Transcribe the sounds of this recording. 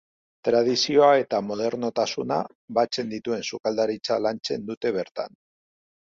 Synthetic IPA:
t̪ɾað̞isio̞ae̞t̪amo̞ð̞e̞ɾno̞t̪asuna̰ | βat͡se̞nd̪it̪ue̞nsukald̪aɾit͡salant͡se̞nd̪ut̪e̞β̞e̞ɾt̪a̰n

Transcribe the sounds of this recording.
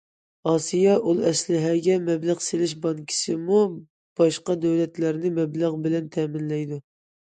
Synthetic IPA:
ɑːsijɑʔulˠɛslɪɦɛɡʲɛmɛblæʁselɪʃbɑŋkʲʰi̥sɪmu | b̥ɑʃqɑd̪ɛwlɛt̪læɾnɪmɛblæʁbɪlɛnt̪ʰɛmɪnlɛjd̪u

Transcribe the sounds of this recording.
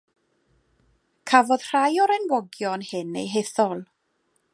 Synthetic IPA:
kʰavɔð̥r̥ajɔɾɛnwɔɡjɔnhɪnḛjɦeθɔlˠ

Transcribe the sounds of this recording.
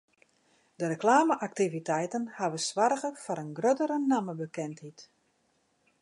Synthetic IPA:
d̥əɾəklaːməʔak̚tivitɛjtənhaʋəsʋarɣəfɔɾənɡrødəɾənaməbəkɛnthit

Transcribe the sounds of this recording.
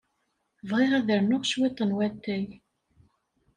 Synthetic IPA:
vʁɪʁæðəɾnʊʁʃwɪt̪ˤːənwæt̪ːæj

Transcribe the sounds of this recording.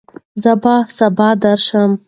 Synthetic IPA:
zəbasabɑd̪aɾʃəm

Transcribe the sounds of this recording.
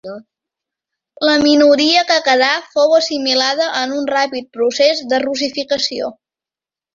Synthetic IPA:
ləminuɾiəkəkəðafowəsimilaðəʔənunrapit̪̚pɾusezd̪ərus̬ifikəsio̰

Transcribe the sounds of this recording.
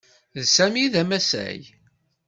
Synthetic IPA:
ðsæmiðæmæsæ̰j

